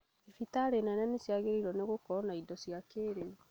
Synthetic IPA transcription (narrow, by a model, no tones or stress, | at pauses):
efitaɾenɛnɛnesjaɣeɾiɾwɔneɣokɔnaidɔsjakeɾe